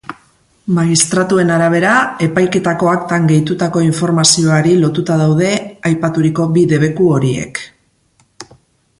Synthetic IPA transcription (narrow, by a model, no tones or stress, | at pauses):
maɣist̪ɾat̪ue̞naɾaβ̞e̞ɾae̞pajke̞t̪ako̞akt̪aŋɡe̞jt̪ut̪ako̞iɱfo̞ɾmasio̞aɾilo̞t̪ut̪aðawð̞e̞ajpat̪uɾiko̞biðe̞β̞e̞kuo̞ɾie̞̰k